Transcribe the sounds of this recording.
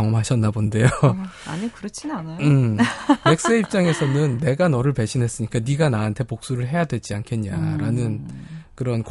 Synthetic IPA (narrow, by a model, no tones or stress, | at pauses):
ʌŋʌmɦaɕʰʌnːabonde̞joa̰ɲikɯɾʌt͡ɕʰinanaɯmmek̚s͈eip̚t͡ɕ͈aŋe̞sʰʌnɯnːe̞ɡanʌɾɯɭpe̞ɕʰinɦe̞s͈ɯɲik͈aniɡanaantʰepok̚s͈uɾɯɭɦe̞jadwe̞d͡ʑiankʰe̞nɲa̰ɾanɯnkɯɾʌnk